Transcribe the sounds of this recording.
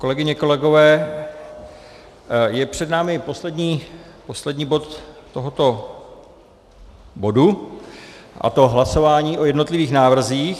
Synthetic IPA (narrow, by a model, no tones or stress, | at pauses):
ko̞lɛɡɪɲɛkolɛɡo̞vɛː | jɛpr̝̥ɛdnaːmɪpo̞slɛdɲiːpo̞slɛdɲiːbo̞t̪ːoɦot̪o | bo̞du | ʔa̰t̪o̞ɦlaso̞vaːɲiːʔo̞jɛdno̞t̪lɪviːxnaːvr̩ziːx